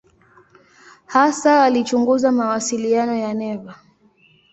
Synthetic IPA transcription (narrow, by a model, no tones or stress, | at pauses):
hasaːlit͡ʃuŋɡuzamawasilianɔjanɛva